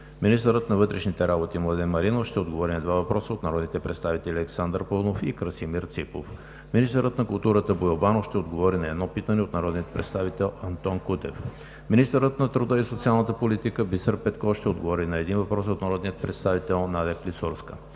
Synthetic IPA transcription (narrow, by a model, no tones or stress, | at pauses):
minist̪əɾət̪nɐvɤt̪ɾɛʃnit̪ɛɾabot̪imlˠad̪ɛnmːɐɾinofʃt̪ɛod̪̚ɡovɔɾinɐd̪vavɐpɾɔsəot̪nɐɾɔd̪nit̪ɛpɾɛt̪st̪avit̪ɛlʲiɛksand̪əɾponofikɾəsimiɾt̪sipo̰f | minist̪əɾət̪nɐkʊlˠt̪uɾət̪əbojobanofʃt̪ɛod̪ɡovɔɾinɐɛd̪nɔpit̪ənɛot̪nɐɾɔd̪nijət̪̚pɾɛ̰t̪st̪avit̪ɛlˠɐnt̪ɔnkut̪ɛf | minist̪əɾət̪nɐt̪ɾud̪əisot̪sialˠnət̪əpolit̪ikəbisəɾpɛt̪kɔfʃt̪ɛod̪̚ɡovɔɾinɐɛd̪invɐpɾɔs̬ot̪nɐɾɔd̪nijət̪̚pɾɛt̪st̪avit̪ɛlˠnad̪ɛklisoɾskə